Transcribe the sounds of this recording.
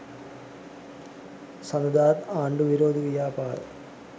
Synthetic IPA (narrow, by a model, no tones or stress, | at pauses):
sɐnɐd̪aːd̪aːɳɖuʋiɾoːd̪ʱiʋijaːpaːɾ